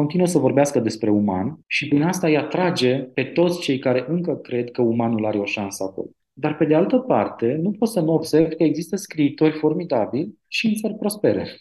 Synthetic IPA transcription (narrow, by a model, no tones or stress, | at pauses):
ko̞nt̪inuəsəvo̞rbeaskəd̪e̞spɾe̞uma̰nʃipɨnast̪ajat̪ɾad͡ʒe̞pe̞t̪o̞t̪sʲt͡ʃe̞jkaɾe̞ʔɨŋkəkɾe̞d̪kəumanulaɾe̞o̞ʃansəako̞̰lo | d̪arpe̞d̪ealt̪əpart̪e̞nupot̪sənuobse̞ɾrvkəe̞ɡzist̪əskɾiːt̪o̞rʲfo̞rmid̪abilʲ | ʃiinserʲpɾo̞spe̞ɾḛ